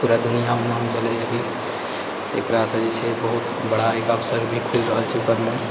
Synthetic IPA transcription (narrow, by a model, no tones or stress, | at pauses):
puɾad̪unijamenɦmb̪ʱelɛəbʱi | ḛkɾasəd͡ʒisebəɦut̪ | bəɽaekəpsəɾbʱikʰulɾəɦəlt͡ʃʰukəɾlə